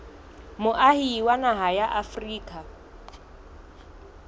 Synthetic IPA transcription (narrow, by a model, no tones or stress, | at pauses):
mʊʔahiːwanaɦajaʔafriːkʼa